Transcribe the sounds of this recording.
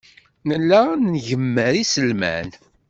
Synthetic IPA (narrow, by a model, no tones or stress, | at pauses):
nəlːænnʝəmːəɾisəlmæ̰n